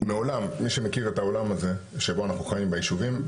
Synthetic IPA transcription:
meo̞lamːiʃemekiʁe̞tao̞lamaze̞ʃeboanaχnuχajimbejiʃuvim

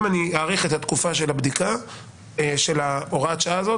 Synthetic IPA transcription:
maniaːʁiχe̞t̪hat̪kufaʃe̞labd̪ika | ʃe̞lao̞ʁaːt͡ʃazo̞

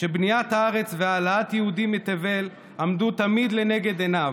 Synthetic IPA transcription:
ʃebnijat̪haaʁe̞t͡sveaːlaat̪jehud̪imet̪eve̞l | amd̪ut̪amid̪lene̞ɡe̞d̪enav

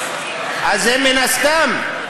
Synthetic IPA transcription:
azemenaskami

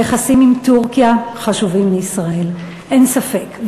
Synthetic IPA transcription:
eχasimimt̪uʁkijaχaʃuvimːeisʁae̞l | ʔe̞nsafe̞k

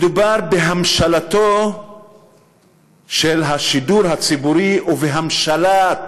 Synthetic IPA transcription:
med̪ubaʁbeɦamʃalat̪o | ʃelɦaʃid̪uɾhat͡sibuɾiʔuveɦamʃalat

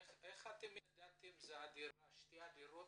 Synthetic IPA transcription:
ɛχat̪imd̪at̪imzaad̪iaʃt̪iad̪iɾu

